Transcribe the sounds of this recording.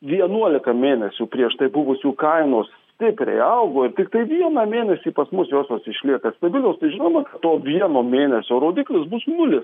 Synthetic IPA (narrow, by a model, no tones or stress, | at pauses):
ʋʲiɛnuɔlʲɪkɐmʲeːnʲɛsʲuːpʲɾʲiɛʃt̪ɐɪbʊʋʊsʲuːkɐɪnoːssʲt̪ʲɪpʲɾʲɛ̰ɪɐʊɡoːɪɾt̪ʲɪkt̪ɐɪʋʲiɛnɐmʲeːnʲɛsʲiːpɐsmʊsjoːsʲjoːsɪʃʲlʲiɛkɐst̪ɐbʲɪlʲoːst̪ɐɪʒʲɪnoːmɐkɐtt̪oːʋʲiɛnoːmʲeːnʲɛsʲoːɾoːd̪ʲɪklʲɪs̬bʊsnʊlʲɪs